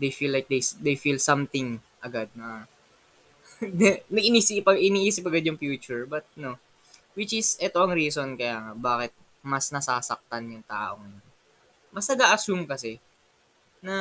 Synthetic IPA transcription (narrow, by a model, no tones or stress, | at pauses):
d̪ejfilːajk̚d̪ejsd̪ejfilsɐmt̪ɪŋ | ʔɐɡad̪̚nɐ | nɐɡʔɪniːsɪpɐɡʔɪniːʔiːsɪp̬ɐɡad̪jʊŋpjuːt͡ʃʊɹbɐt̪̚no̞ | wɪt͡ʃɪsʔɛt̪o̞ʔɐŋɾiːso̞nkɐjaːŋɐbaːkɪt̪̚ | mɐsnɐsaːsɐk̚t̪ɐnjʊŋt̪aːʔo̞ŋɐjon | mɐsnɐɡaːʔɐsumkɐsɛ | nɐ